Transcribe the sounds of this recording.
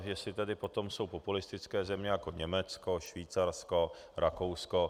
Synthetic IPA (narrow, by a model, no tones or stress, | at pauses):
jɛsɪt̪ɛdɪpo̞t̪o̞mso̞wpopulɪst̪ɪt͡skɛːzɛmɲɛjakoɲɛmɛt͡skoʃviːt͡saɾsko | ɾakowsko